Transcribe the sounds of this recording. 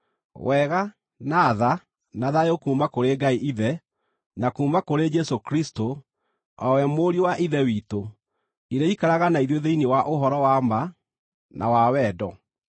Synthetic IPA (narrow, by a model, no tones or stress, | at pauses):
wʔɛɣa | naːða | naðajokuːmakoɾeːɡaiʔiðɛ | nakuːmakoɾed͡ʒɛsokɾisto | ɔwɛmoɾiwaʔiðɛwito | iɾeikaɾaɣanaiðwoðeinewaʔoɦɔɾɔwama | nʔa̰wawɛːdɔ